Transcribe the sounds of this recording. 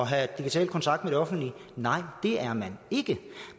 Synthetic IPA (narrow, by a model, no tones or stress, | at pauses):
ɒ̽ɦæd̥iɡ̥it͡sʰɛ̰ːlkʰɒnt͡sʰɑ̈ɡ̥d̥meɾ̥e̝ɒ̽fn̩d̥linɑ̈ɪ̰d̥e̝æɐmæne̝ɡ̥ə